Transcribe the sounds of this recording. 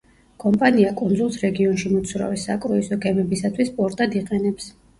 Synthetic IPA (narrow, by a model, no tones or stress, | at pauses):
kʼɔmpʼaniakʼund̪zulˠsɾɛɡiɔnʃimɔt̪sʰvɾa̰visakʼɾuisɔɡɛmɛbisat̪ʰwispʼɔɾt̪ʼad̪iqʼɛnɛps